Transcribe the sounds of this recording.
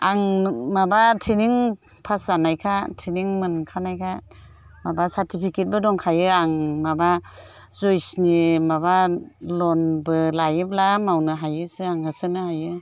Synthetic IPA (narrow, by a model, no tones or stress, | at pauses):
aŋmabatʰiniŋ | pʰaszanajkʰatʰiniŋmɯnkʰanajkʰa | mabasaɾtʰipʰiket̚bɯdɔŋkʰajɯaŋmaba | zɔjsnimabalɔnbɯlajɯp̚lamawnɯɦajɯsɯaŋhɯsɯnɯhajɯ